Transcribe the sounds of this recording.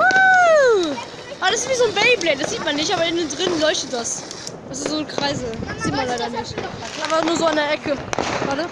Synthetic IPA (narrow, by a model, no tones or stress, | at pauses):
u | ʔabɐdasɪstv̥iːzoːnbɛɪiblɛd̥asz̥iːtmanːɪçtʔaːbɐɪnn̩dʁɪnlɔʏçtət̚d̥as | d̥as̬ɪstz̥oːnkʁ̥aɪzəz̥iːtmanlaɪɾɐnɪçt | amfanuːɐzoːandeɐʔɛkəvaːtə